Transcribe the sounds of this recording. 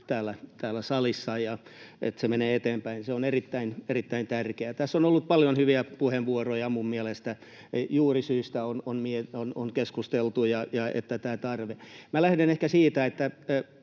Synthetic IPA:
t̪æːlːˑæt̪æːlːæsɑlisːɑjɑḛt̪semeneːet̪eːmpæinseonerit̪ːæinerit̪ːæint̪ærkeæt̪æsːonolːut̪̚pɑljonhyʋiæpuheʋʋuorojɑmummiɛlest̪æ | juːrisyːst̪æononmieonoŋkeskust̪elt̪ujɑjɑḛt̪ːæt̪æːt̪ɑrʋemælæhdenehkæsiːt̪æet̪ːæ

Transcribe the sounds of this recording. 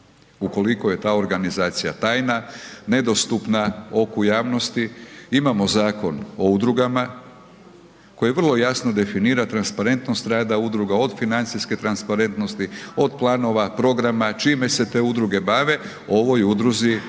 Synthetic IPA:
uko̞likoje̞t̪aːo̞ɾɡanizaːt̪sijat̪aːjnane̞d̪o̞st̪upnao̞kujaːʋno̞st̪iimamo̞zaːko̞no̞ud̪ɾuɡama | ko̞jeʋr̩lˠo̞jasno̞d̪e̞finiːɾat̪ɾanspaɾe̞nt̪no̞st̪ɾaːd̪aud̪ɾuɡao̞d̪finant̪siske̞t̪ɾanspaɾe̞nt̪no̞st̪io̞d̪plˠaːno̞ʋapɾo̞ɡɾamat͡ʃiːme̞se̞t̪e̞ud̪ɾuɡe̞baːʋe̞ | o̞ʋo̞jud̪ɾuzi

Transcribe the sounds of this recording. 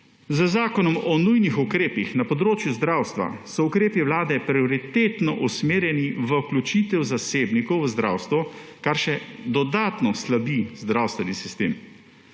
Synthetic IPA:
zəzaːkɔnɔmɔnujnixukɾeːpixnapɔd̪ɾoːt͡ʃjuzd̪ɾaːwst̪ʋa̰sɔukɾeːpiʋlaːd̪ɛpɾiɔɾit̪eːt̪nɔʔusmeːɾjɛniʋəuklut͡ʃiːt̪ɛwzaseːbnikɔwʋəzd̪ɾa̰ːwst̪ʋɔkaɾʃɛd̪ɔd̪aːt̪nɔslabizd̪ɾawst̪ʋɛnisist̪ḛːm

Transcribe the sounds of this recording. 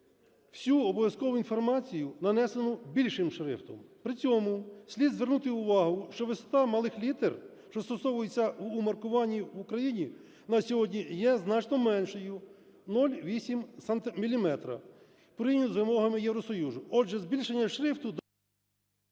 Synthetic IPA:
w̥sʲuɔbɔʋʲjɐskɔʋʊinfɔrmɑt͡sʲijʊnɐnɛsenʊbʲilʲʃɪmʃɾɪ̰ft̪ɔmpɾɪt͡sʲɔmʊsʲlʲid̪zʋernut̪ɪʊʋɑɦʊʃt͡ʃɔʋɪsɔ̥t̪ɑmɐlˠɪxlʲit̪erʃt͡ʃɔst̪ɔsɔʋʊjet͡sʲːɐːmɐrkʊʋɑnʲːiʋʊkɾɐjinʲi | nɐsʲɔɦɔdʲnʲijɛznɑt͡ʃnɔmɛnʃɔjʊ | nɔlʲʋʲisʲimsɐnt̪ɪmʲilʲimɛt̪ɾɐ̰ | pɾijnʲʊzʋɪmɔɦɐmɪjeʋɾɔsɔjuzʊɔd͡ʒɛzbʲilʲʃenʲːɐʃɾɪft̪ʊd̪

